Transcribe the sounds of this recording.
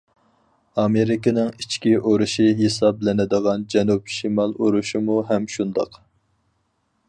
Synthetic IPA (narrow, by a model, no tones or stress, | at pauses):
ɑmeɾɪkʲɪnɪŋit͡ʃʰkʲiʔoɾuʃiɦesɑblɪnɪd̪əʁɑnd͡ʒɛnupʃimɑlˠoɾuʃimuɦɛmʃund̪ɑq